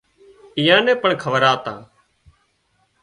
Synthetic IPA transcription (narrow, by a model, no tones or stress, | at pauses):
ɪjãːnɛ̃ːpəɳkʰəʋəɾaːt̪ã̰ː